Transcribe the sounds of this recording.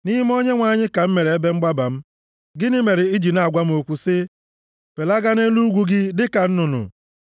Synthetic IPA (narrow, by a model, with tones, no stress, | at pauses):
ni˦m˦o˦ɲe˦ŋʷa˨ɲɪ˦ka˨m̩˦me˨ɾe˨e˦be˦ŋ͡m̩˦ɡ͡ba˦ba˨m̩˦ | ɡɪ˦nɪ˦me˨ɾɪ˨i˦d͡ʒi˨na˨a˨ɡʷa˦m̩˦o˨kʷu˨sɪ˦ | pe˨la˦ɡa˦ne˦lu˦ɡʷu˦ɡɪ˦dɪ˦ka˨n̩˦nʊ˨nʊ̰˨